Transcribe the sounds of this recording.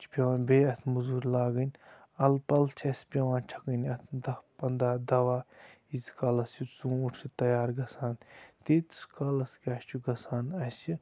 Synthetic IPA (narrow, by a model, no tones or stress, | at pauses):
t͡ʃʰpʲɐwãːnbeːɐt̪ʰmuzuːɾʲlaːɡɐnʲ | ɐlpɐlt͡ʃʰɐsʲpʲɐʋãːt͡ʃʰɐ̥kɐnɐt̪ʰd̪ɐhpɐnd̪aːd̪ɐʋaː | izkɐlɐst͡ʃut͡sũːuʈʰit̪ɐjaːɾɡɐsaːnt̪iːt̪skalɐskʲaːʃt͡ʃʰuɡɐsaːnɐsi